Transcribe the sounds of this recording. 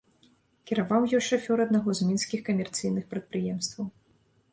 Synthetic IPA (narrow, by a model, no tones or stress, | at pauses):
kʲɛɾavawjɔjʂafʲɔɾɐd̪naɣɔzmʲinskʲixkɐmʲɛrt̪sɨjnɨxpɾɐt̪̚pɾɨjɛmst̪vɐw